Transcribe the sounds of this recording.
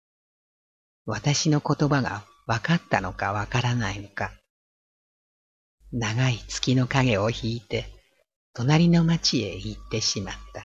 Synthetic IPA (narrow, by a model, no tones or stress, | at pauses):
βat̪aɕino̞ko̞t̪o̞baɡa̰ | βakat̪ːano̞kaβakaɾanaino̞ka | naɡait͡sɨ̥kʲino̞kaɡe̞o̞çiːt̪e̞ | t̪o̞naɾʲino̞mat͡ɕie̞̰it̪ːe̞ɕimat̪ːa